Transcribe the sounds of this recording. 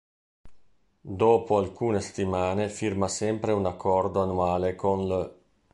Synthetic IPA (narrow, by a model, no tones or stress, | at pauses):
d̪oːpoalkuːnese̥t̪ːimaːnefirmasɛmpɾeunakʰːɔrd̪oanuaːlekonlə